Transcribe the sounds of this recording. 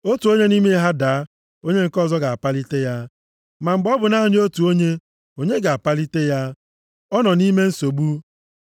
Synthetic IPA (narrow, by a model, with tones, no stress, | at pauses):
o˦tu˨o˦ɲe˦ni˦me˦i˦ɦa˦da˨˦ | o˦ɲe˦ŋ̩˨kɔ˦˨zɔ˦ɡa˨a˨pa˦li˦te˦ja˦ | ma˨ŋ͡m̩˨ɡ͡bɔ˦bʊ˨na˦ɦʊ˨ɲ˦o˦tu˨o˦ɲe˦ | o˦ɲe˦ɡa˨a˨pa˦li˦te˦ja˦ | ɔ˦nɔ˨ni˦me˦n̩˦so˨ɡ͡bu˦